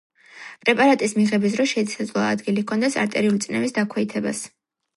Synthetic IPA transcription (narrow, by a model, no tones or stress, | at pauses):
pʼɾɛpʼaɾat̪ʼismiʁɛbis̬ɾɔʃɛsad̪zlˠɔa̰ːd̪ɡilikʰɔnd̪ɛsa̰ɾt̪ʼɛɾiulit̪sʼnɛmisd̪akʰwɛit̪ʰɛba̰s